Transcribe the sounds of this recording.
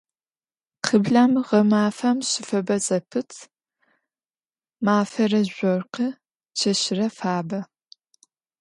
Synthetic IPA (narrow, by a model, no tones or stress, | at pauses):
qʰəbɮamʁɐmaːfɐmɕɪfɐbɐt͡sʼɐpʰɨtʰ | maːfɐrɐʑʷɔrqɐ | t͡ʃʰɐɕɪrɐfaːbɐ